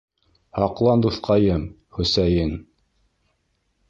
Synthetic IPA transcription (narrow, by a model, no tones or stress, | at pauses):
hɑqlˠɑnd̪uθqɑjɤm | χɵ̆sæjɘn